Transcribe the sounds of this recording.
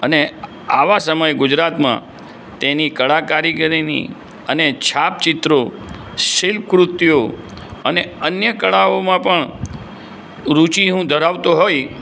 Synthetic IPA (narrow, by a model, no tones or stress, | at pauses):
əne | aʋasəməjɡʊd͡ʒɾat̪mã̰ | t̪enikəɭakaɾiɡəɾinḭ | ənet͡ʃʰap̚t͡ʃɪt̪ɾo | ʃɪlkɾut̪ːijo | əneənjəkəɭaomãpəɳ | ɾut͡ʃiɦũd̪ʱəɾaʋt̪oɦoj